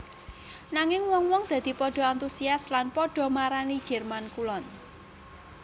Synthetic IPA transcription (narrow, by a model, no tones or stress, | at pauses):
naŋɪŋwɔŋwɔŋd̪̥a̤d̪̥i̤pɔɖ̥ɔ̤ant̪usiaslanpɔɖ̥ɔ̤maɾanid̥ʒ̥ɛrmankulɔn